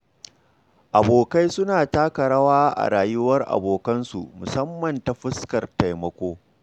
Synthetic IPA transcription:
ʔa˨boː˨ka˦jsʊ˦naː˨taː˦kɐ˨ɽaː˦waː˦ʔa̰˨ɾaː˨jʊ˦wɐ˦rʔa̰˨boː˨kɐ˦nsṵ˨mʊ˨sɐ˦mːɐ˨nta˨ɸɪ˦skɐ˨rta˨jmɐ˦kʷoː˦

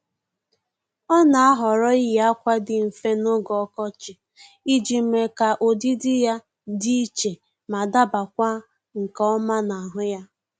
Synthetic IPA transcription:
ɔ˦na˨a˦ɦɔ˨ɾɔ˦i˦ja˦kʷa˦dɪ˨m̩˨fe˦no˦ɡɔ˦kɔ˦t͡ʃɪ˨ | i˦d͡ʒi˨˦me˨ka˨ʔo˨di˦dɪ˦ja˦ | di˦i˦t͡ʃe˨ | ma˨da˦ba˨kʷa˦ | ŋ̩˨kɔ˦ma˦na˨a˨ɦʊ˦ja˦

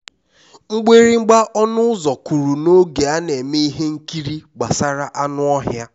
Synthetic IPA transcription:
ŋ͡m̩˦ɡ͡be˦ɾi˦ŋ͡m̩˦ɡ͡ba˦ʔɔ˦nʊ˦ʊ˦zɔ˨ku˨ɾu˨no˦ɡe˨a˦ne˨me˦i˦ɦe˦ŋ̩˦ki˦ɾi˦ɡ͡ba˨sa˦ɾa˦ʔa˦nʊ˦ɔ˦ɦja˦

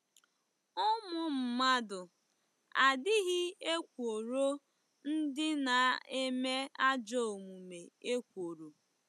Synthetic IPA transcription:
ʊ˦mʊ˦m̩˨ma˦dʊ˨ | a˨dɪ˦ɣɪ˦e˦kʷo˨ɾo˦ | n̩˦dɪ˦na˨e˦me˦a˦d͡ʒo˦o˨mu˨me˨e˦kʷo˨ɾo˨

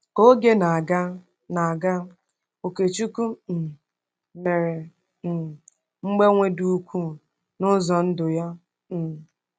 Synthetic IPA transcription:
o˦ɡe˦na˨ɡa˦ | na˨a˨ɡa˦ | o˨ke˨t͡ʃu˦ku˦˨ | me˨ɾe˨ | m̩˨ | ŋ͡m̩˦ɡ͡be˦ŋʷe˦du˦u˦kʷu˦ | nʊ˦zɔ˨n̩˦dʊ˨ja˦˨

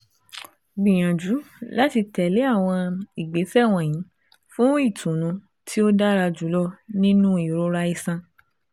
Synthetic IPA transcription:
ɡ͡bĩ˨j̃ã˨d͡ʒu˨˦la˦ti˧tɛ˨le˨˦a˦˨w̃ɔ̃˧i˨ɡ͡be˨˦fɛ˦˨w̃ɔ̃˨j̃ĩ˨˦ | fũ˦i˦˨tʰũ˨nũ˨˦ | tʰi˦o˦da˦ɾa˧d͡ʒu˨˦lɔ˦nĩ˦nũ˦i˨ɾo˦ɾa˧i˧sã˧

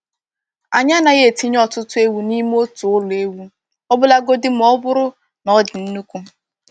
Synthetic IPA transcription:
a˨ɲa˦na˨ɣje˦˨ti˦ɲ˦ɔ˦tʊ˦tʊ˦e˦wu˦ni˦m˦o˦tʊ˨ʊ˦le˦wu˦ | ɔ˦bʊ˦la˦ɡo˦dɪ˦m̩˦ɔ˦bʊ˦ɾʊ˦ | nɔ˨dɪ˨n̩˦nu˦kʷu˦

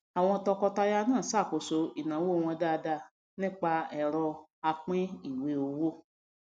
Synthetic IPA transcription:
a˨w̃ɔ̃˧tɔ˧kɔ˧ta˧ja˧˦nãː˦˨sa˦˨ko˨so˨˧i˨nã˨˦wo˦˧w̃ɔ̃˧da˦˧da˧˨ | nĩ˦k͡pa˧ɛ˧ɾɔ˧a˧k͡pĩ˦i˦˨we˧˦o˧wo˦˨

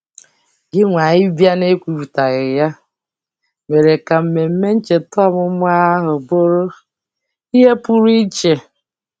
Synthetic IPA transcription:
ɡɪ˦ŋʷa˨ɲɪ˦bja˦ne˦kʷu˨ɾu˨ta˨ɣɪ˨ja˦ | me˨ɾe˨ka˨m̩˨me˨m̩˦me˦n̩˦t͡ʃe˨tʊ˦a˦mʊ˦m˦a˦ɦʊ˨bo˦ɾo˦ | i˦ɦe˦pu˦ɾi˦t͡ʃe˨

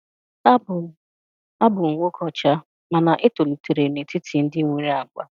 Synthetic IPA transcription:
a˦bʊ˨ŋ̩˨ŋʷo˦kɔ˦t͡ʃa˦ | ma˨na˨ʔe˦to˨lu˨te˨ɾe˨ne˨ti˦ti˨n̩˦dɪ˦ŋʷu˦ɾi˦a˨ɡ͡bʷa̰˦

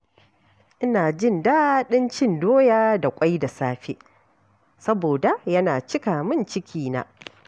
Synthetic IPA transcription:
ʔɪ˦naː˨d͡ʒɪ˦˨nda˦ɗɪ˦nt͡ʃɪ˦˨ndoː˦jaː˦da˨kʷʼa˦jda˨saː˦ɸḛ˦ | sɐ˦boː˨da˨jɐ˦naː˨t͡ʃɪ˦ka˨mɪ˦nt͡ʃɪ˦kʲʰiː˦na̰˦

